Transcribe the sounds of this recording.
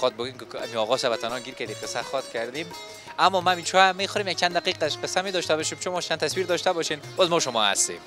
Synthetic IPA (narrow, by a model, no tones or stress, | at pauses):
xɔt̪̚boɡemkɪa̰miɔɣɔsabat̪ʰanɔɡiɾkaɾd̪eqəsaxɔt̪kʰaɾd̪em | amːɔmaːmit͡ʃʰɔamexɔɾemjak̚t͡ʃʰand̪aqiqaʃqəsːamed̪ɔʃt̪abɔʃemt͡ʃʰomɔʃt͡ʃant̪aswiɾd̪ɔʃt̪abɔʃenbɒzmɔʃʊmɔha̰st̪ḛm